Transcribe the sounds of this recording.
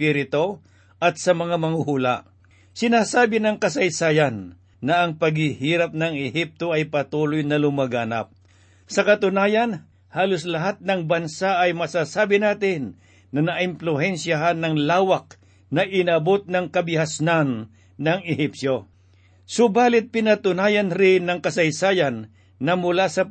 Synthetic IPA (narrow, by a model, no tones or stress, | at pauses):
piɾɪt̪o̞ | ʔɐt̪sɐmɐŋamɐŋuhula̰ʔ | sɪnaːsaːbɪnɐŋkɐsɐjsaːjanː | ɐɐŋpɐɡhɪhiːɾap̚nɐŋɛhip̚t̪o̞ɐjpɐt̪uːlojnɐlʊmɐɡaːna̰p̚ | sɐkɐt̪ʊnaːjɐn | haːloslɐɦat̪̚nɐŋbɐnsaʔɐjmɐsasaːbɪnaːt̪ɪnː | ɐnɐʔɪmplʊhɛnsjaɦanːɐŋlaːwak̚ | nɐʔɪnɐbo̞t̪̚nɐŋkɐbɪhasnanː | ɐŋɪhipsjo̞ | sʊbaːlɪt̪̚pɪnɐt̪ʊnaːjɐnɾɪnɐŋkɐsɐjsaːjɐnː | ɐmʊlasɐ